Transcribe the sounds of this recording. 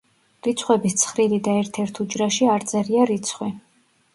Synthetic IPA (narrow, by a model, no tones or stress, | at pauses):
ɾit̪sʰχwɛbist̪sʰχɾilid̪aɛɾt̪ʰɛɾt̪ʰud͡ʒɾaʃiaɾt̪sʼɛɾiaɾit̪sʰχwi